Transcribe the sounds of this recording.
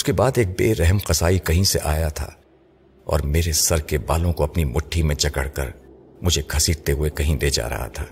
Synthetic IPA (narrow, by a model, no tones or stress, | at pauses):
ʊskebaːd̪eːk̚beːɾɛɦmqɐzaːikɐɦĩseʔaːjat̪ʰa̰ː | ɔ̰ːɾmeːɾesɐɾkebaːlõkoɐpnimʊʈʰːimẽt͡ʃɐkə̰ɽ̤kɐ̰ɾ | mʊd͡ʒʱekʰɐsiːɖt̪eɦʊekɐɦĩd̪eːd͡ʒa̰ːɾɐ̰ɦa̰t̪ʰaː